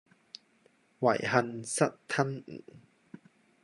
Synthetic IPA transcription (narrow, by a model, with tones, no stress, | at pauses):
wɐ̰˨˩jɦɐ˧nsɐ˦˥t̚t̪ʰɐ˥n̩̰˨˩˦